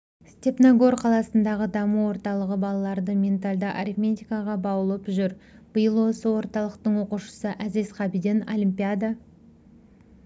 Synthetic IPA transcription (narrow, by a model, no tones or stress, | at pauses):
st̪ʲepnoɡo̞rqʰɑlˠɑsənd̪ɑʁəd̪ɑməwo̞ɾt̪ɑlˠəʁəbɑlˠɑlˠɑɾd̪əmʲent̪alʲd̪əʔa̰ɾifmʲe̞t̪ʲijkɑʁɑbɑwəlˠəpʒʏɾb̥əjəlˠwo̞səwo̞ɾt̪ɑlˠəq̚t̪əɴwo̞quʃə̥səʔæzesqʰɑbid̪enolʲimʲpʲijad̪a